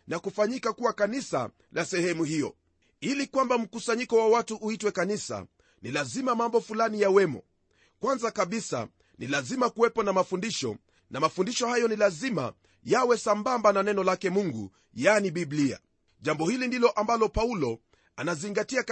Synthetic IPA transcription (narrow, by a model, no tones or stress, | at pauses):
nakufaɲikakuwakanisa̰ | lasɛhɛmuhijɔ̰ | ilikwambam̩kusaɲikɔwawatuʔuitwɛkanisa̰ | nilazimamambɔfulanijawɛmɔ̰ | kwanzakaɓisa̰ | nilazimakuwɛpɔnamafundiʃɔ̰ | namafundiʃɔhajɔnilazima̰ | jawɛsambambananɛnɔlakɛmuŋɡṵ | janiɓiblia̰ | ʄambɔhilindilɔʔambalɔpaulɔ | anaziŋɡatia